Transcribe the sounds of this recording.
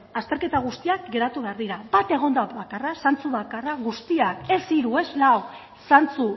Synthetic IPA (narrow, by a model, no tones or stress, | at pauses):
ast̪e̞ɾke̞t̪aɣ̞ust̪iakɡe̞ɾat̪uβe̞aɾðiɾabat̪e̞ɣ̞o̞nd̪aβakarasant͡suβakaraɣust̪iake̞siɾue̞zlaw | sant͡su